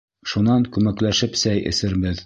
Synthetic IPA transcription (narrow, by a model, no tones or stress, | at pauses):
ʃunɑŋkʉmæklæʃɘpsæjʔɘ̰̆sɘ̆ɾbɘð